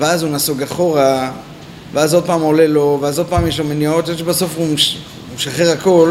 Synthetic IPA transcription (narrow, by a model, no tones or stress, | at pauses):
veazunasoɡaχo̞ʁa | veazo̞d̪̚paːmoleloveazod̪̚paːmjeʃlomenjaot̪eʃbaso̞fuʃ | mʃaχeʁako̞l